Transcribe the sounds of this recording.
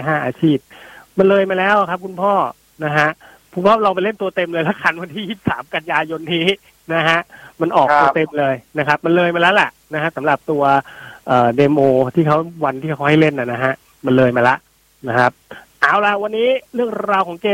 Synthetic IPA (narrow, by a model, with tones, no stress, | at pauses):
ɦaː˥˩ʔaː˧t͡ɕʰiː˥˩p̚ma˧nlɤː˧jmaː˧lɛː˦˥wa˨˩kʰa˦˥p̚kʰu˧npʰɔː˥˩ | na˦˥kʰa˦˥ʔ | kʰu˧npʰɔː˥˩lɔː˧ŋp̬a˧jle˥˩nt̪u˧ɐt̪e˧mlɤː˧jlɛ˦˥kʰa˧nwa˧nt̪ʰiː˥˩ji˥˩p̚saː˩˦mka˧njaː˧jo˧nːiː˦˥ | na˦˥ɦʰa˦˥ʔma˧nʔɔː˨˩t̪u˧t̪e˧mlɤː˧jna˦˥kʰa˦˥p̚ma˧nlɤː˧jma˧lɛː˦˥wla˨˩ʔna˦kʰa˦˥sa˩˦mɾa˨˩p̚t̪u˧ɐʔɤː˨˩deː˧moː˧t̪ʰiː˥˩kʰa˦˥wwa˧nt̪ʰiː˥˩a˦˥wha˥˩jle˥˩nʔa˨˩na˦ɦʰa˦˥ʔ | ma˧nlɤː˧jmaː˧la˦˥ʔ | na˦˥kʰa˦˥p̚ʔaː˨˧˩wla˧˦wa˧nːiː˦˥ɾɯ˥˩əŋɾaː˧wkʰɔː˩˦ŋkeː˧